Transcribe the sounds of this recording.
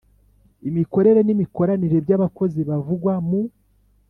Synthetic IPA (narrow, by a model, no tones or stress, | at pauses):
imiko̞ɾe̞ɾe̞nimiko̞ɾaniɾe̞bɟaβako̞ziβavuɡwamu